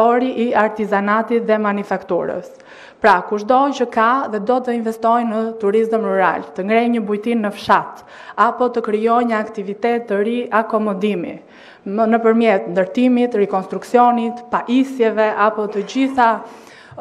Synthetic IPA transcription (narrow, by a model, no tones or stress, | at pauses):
ɔɾiʔiaɾt̪izanat̪it̪ðɛmanifakt̪uɾə̰s | pɾakuʃd̪ɔt͡ɕəkaðɛd̪ɔt̪əinvɛst̪ɔjnət̪uɾist̪əmruɾa̰lt̪əŋɡɾɛjɲəbujt̪inːəfʃat̪ | apɔt̪əkɾijɔjɲəakt̪ivit̪ɛt̪ːəɾiakɔmɔd̪imḭ | nəpəɾmjɛt̪nd̪əɾt̪imit̪ɾɛkɔnst̪ɾuksiɔnit̪paʔisjɛvɛʔapɔt̪əd͡ʑiθa